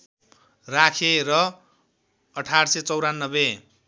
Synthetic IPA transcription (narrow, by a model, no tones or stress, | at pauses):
rakʰerʌ | ʌʈʰarset͡sʌwɾanːʌbe